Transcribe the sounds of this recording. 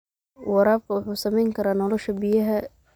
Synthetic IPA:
wɑɾaːb̚kʰɐwʊħuːsɐmɛjŋkʰɐɾaːnɔlɔʃɐbɪjɐɦɐ

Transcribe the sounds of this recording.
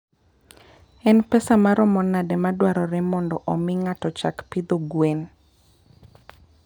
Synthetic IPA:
ɛnpɛsamaɾɔmɔnadɛmadwaɾɔɾɛmɔndɔʔɔmɪŋatɔt͡ʃakpid̪oɡwen

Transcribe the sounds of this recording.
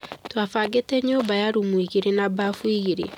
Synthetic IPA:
twafaɡetɛɲobajaɾumwiɣeɾenabafwiɣeɾḛ

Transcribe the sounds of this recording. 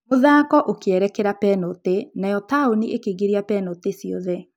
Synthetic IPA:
moðaːkɔʔokeɛɾɛkɛɾapɛnotenajɔtaoniʔekeɣeɾiapɛnotesiɔ̰ðɛ

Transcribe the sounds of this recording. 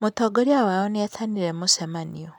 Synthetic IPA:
motɔɡoɾiawaɔneaθaniɾemosɛmaniɔ

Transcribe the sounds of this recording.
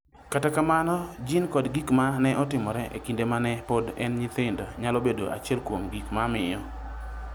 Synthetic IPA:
katakamanɔd͡ʒɪnkɔdɡikmanɛʔɔtɪmɔɾɛʔḛkindemanɛpodɛnɲɪt̪ɪndɔɲalobedo̰ʔa̰t͡ʃɪɛlkwomɡikmamɪjɔ

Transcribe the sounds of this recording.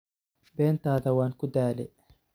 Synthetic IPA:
bɛːnt̪ʰaːðɐwaːŋkʰʊd̪aːlɛ̰

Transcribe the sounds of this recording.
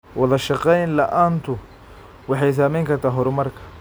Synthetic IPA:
wɐðɐʃɑqɛjnlɐʔaːnt̪ʰʊ | wɑħɑjs̬aːmɛjŋkʰɐrt̪ʰaːɦɔɾʊmɐrkʰɐ̥

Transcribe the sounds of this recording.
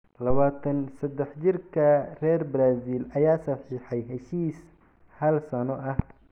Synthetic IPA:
lɐβaːt̪ʰɐnsɐd̪ːɛħt͡ʃɪrkʰɐrɛːrbɾaːzilʔɐjaːsɐħiːħɑjɦɛʃiːs | hɐlsɐnɔʔɐh

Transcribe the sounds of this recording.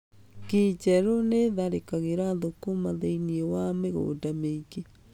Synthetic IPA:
ket͡ʃɛɾoneðaɾekaɣeɾaðokomaðeiniewameɣo̰ːdameiɣe

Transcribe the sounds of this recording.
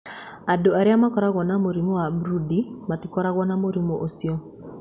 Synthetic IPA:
adoaɾjamakɔɾaɣɔnamoɾimowabɾudimatikɔɾaɣwɔnamoɾimoʔosiɔ

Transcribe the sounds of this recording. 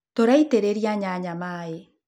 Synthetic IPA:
toɾaiteɾeɾiaɲaɲamae

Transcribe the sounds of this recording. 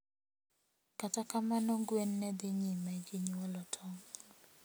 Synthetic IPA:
katakamanɔɡwɛnːɛd̪ɪɲimɛd͡ʒeɲwalɔtʰɔŋ

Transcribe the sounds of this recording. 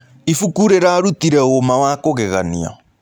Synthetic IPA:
ifukuɾeɾaɾutiɾɛoɣomawakoɣeɣanḭa̰

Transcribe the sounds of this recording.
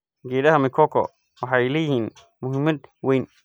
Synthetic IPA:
ɡɛːðɐɦɐmɪkʰɔkʰɔ̰ | wɑħɑjlɛːjɪhiːn | mʊɦɪmɐd̪wɛjn

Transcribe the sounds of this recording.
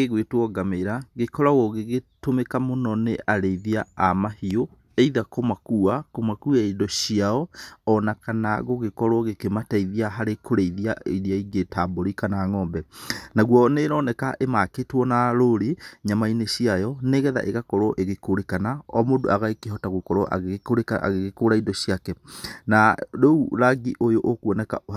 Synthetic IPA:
eɣwetwɔɡameɾaɣekɔɾaɣoɣeɣetomekamonɔneʔaɾeiðiaamahio | eiðakomakuakomakuaidɔɕiaɔɔnakanaɣoɣekɔɾwɔɣekemataiðiaɦaɾekʰoɾeiðiaiɾiaiɡetaboɾikanaːŋɔːmbɛnaɣwɔneɾɔnɛkaʔemaketwɔnaɾoɾiɲamaineɕiajɔneːɣɛða̰ʔeɣakɔɾwɔʔeɣekoɾekanaɔmoːdo̰aɣaekeɦɔtaɣokɔɾɔʔa̰koɾekaa̰ɣeɣekoɾaidɔɕiakɛnadouɾaɡiʔojoʔokuɔnɛka̰o

